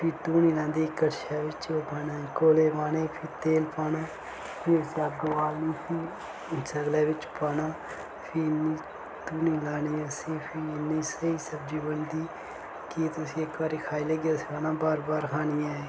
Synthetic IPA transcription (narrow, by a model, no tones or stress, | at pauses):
pʰɪːt̪uːniːlãːnd̪iːkəʈʃaːʋɪt͡ʃoːpaːnãːkoːleːʋaːneːpʰɪːt̪eːlpaːnãː | pʰɪsaːɡəʋaːlniːsʰiː | t͡ʃəɡlɛːʋɪt͡ʃpaːnãː | pʰiniː | t̪uːniːlaːniːəsĩːpʰɪɪnːiːsəiːsəb̚d͡ʒiːbənd̪iː | kit̪ʊsĩːekaːɾiːkʰaːiːləɡjaːsaːnãːbaːɾbaːɾkʰaːnijãːe